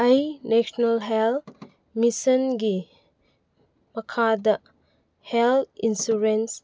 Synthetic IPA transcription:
ɐjnesnɐlɦel | misɐnɡi | mɐkʰadɐ | helinsuɾens

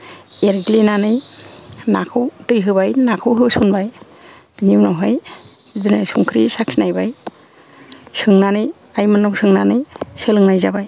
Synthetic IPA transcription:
eɾɡlinanɯj | nakʰɯwtɯjɦɯbajnakʰɯwɦɯbsunbaj | dɯɲibnɔɦɔj | idɯnɯsuŋkʰɾisaksnajbaj | sɯŋnanɯj | ajmɯnːɔwsʰɯŋnanɯjsɯlɯŋnajzabaj

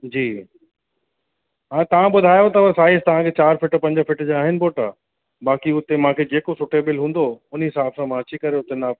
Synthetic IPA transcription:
d͡ʑiː | ɦãːt̪ɐʋ̤ãɓʊd̪ʱaːjot̪ɐʋɐɾsaːɪst̪ɐʋ̤ãkʰet͡ɕaːɾfɪʈpɐ̃ɲd͡ʑəfɪʈd͡ʑaaːɦɪnɪ̆boːʈa | ɓaːkiʊt̪emãːkʰed͡ʑeːkosʊʈeɓɪlɦũːnd̪oʊn̤ɦɪsaːbsãmãɐt͡ɕikɐɾeʊt̪ena

